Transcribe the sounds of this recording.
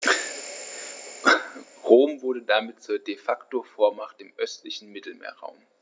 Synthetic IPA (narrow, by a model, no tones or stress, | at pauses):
ʁoːmvʊɐdədamɪt̚t͡suːɐdefaktofoːɐmaχtɪmʔœstlɪçn̩mɪtl̩mḛːɐʁa̰ʊm